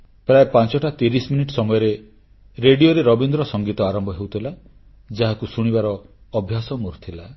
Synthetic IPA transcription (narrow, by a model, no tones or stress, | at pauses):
pɾaepãnt͡ʃɔʈat̪iɾisminiʈsɔmɔjɔɾe | ɾeɽioɾeɾɔbind̪ɾɔsɔŋɡit̪ɔaɾɔmbʱɔɦewt̪ʰila | d͡ʒaɦakusuɽ̃ibaɾɔːbʱjasɔmuɾt̪ʰila